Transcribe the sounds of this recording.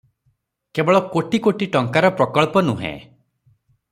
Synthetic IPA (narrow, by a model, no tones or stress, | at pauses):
kebɔɭɔkoʈikoʈiʈɔŋkaɾɔpɾɔkɔɭpɔnuɦḛ̃